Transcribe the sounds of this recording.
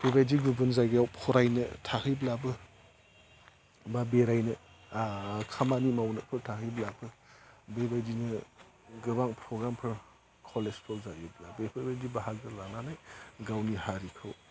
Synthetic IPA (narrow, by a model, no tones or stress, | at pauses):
bebajdiɡubɯnzajɡɯjawpʰɔɾajnɯtʰakʰɯjblabɯ | babeɾajnɯ | kʰamanimawnɯk̚pʰɯɾtʰakʰɯjblabɯbebajdinɯɡɯbaŋpʰɾɔɡɾampʰɯɾ | kʰɔlespʰɔlzajublabepʰɯbajdibaɦaɡɯlananajɡawnihaɾikʰɯw